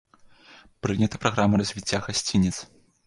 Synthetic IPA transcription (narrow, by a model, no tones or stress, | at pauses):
pɾɨnʲɐt̪ɐ̥pɾaɣɾamɐɾɐzʲvʲit͡sʲːaɣasʲt͡sʲinʲit̪s